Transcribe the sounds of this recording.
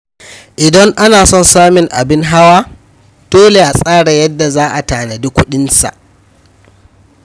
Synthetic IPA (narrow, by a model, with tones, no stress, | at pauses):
ʔɪ˨dɐ˦ŋʔa˦naː˨sɔ˦˨nsaː˦mɪ˨ŋʔa˨bɪ˦ŋɦa˦waː˦ | d̥oː˦le˨ʔa˨sʼaː˦ɽa˨jɐ˦dːa˨zaː˦ʔa˨taː˨na˨di˦kʷʊ˦ɗɪ˦nsa̰˨ʔ